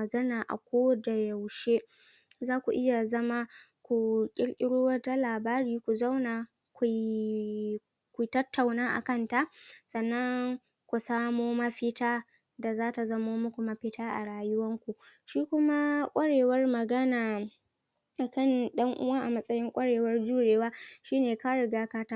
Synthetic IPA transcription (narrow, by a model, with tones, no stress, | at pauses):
ɐ˨ɡɐ˦naː˨ʔa̰˨kʷoː˦da˨ja˨wʃe˦ | zaː˦kʷu˨ʔɪ˦ja˨zɐ˦ma˦ | kʷu˨kʲʼɪ˦ɽkʲʼɪ˦ɽoː˦wa˦ta˦laː˨baː˦ɾiː˦kʷu˨za˦wnaː˨ | kʷu˨ | kʷu˨˦tɐ˦tːa˨wnaː˦ʔa̰˨kɐ˦˨nta˦ʔsɐ˨nːɐ˦ŋ | kʷu˨saː˦moː˦mɐ˦ɸɪ˦taː˦ | da˨zaː˦ta˨zɐ˦moː˦mʊ˦kʷu˨mɐ˦ɸɪ˦tʰaː˦ʔa̰˨ɽaː˦jʊ˦wɐ˦ŋkʷu˨ʃiː˦kʷʊ˦ma˦kʷʼɐ˦ɽeː˨wɐ˦rmɐ˨ɡɐ˦naː˨ | a˨kɐ˦˨nɗɐ˦ŋʔʊ̰˦waː˦ʔa˨mɐ˦sʼɐ˦jɪ˦ŋkʷʼɐ˦ɽeː˨wɐ˦rd͡ʒuː˦ɽeː˨waː˦ʃiː˦neː˨ka˦ɽɪ˨ɡaː˦kaː˦taː˦